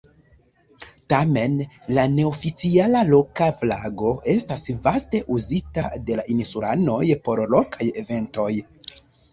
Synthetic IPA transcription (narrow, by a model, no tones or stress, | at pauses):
tame̞nlane̞ofit͡sialalo̞kaflaɡo̞ʔe̞stasvaste̞ʔuzitade̞laʔinisuɾa̰no̞jpo̞ɾlo̞kʰaje̞ve̞nto̞j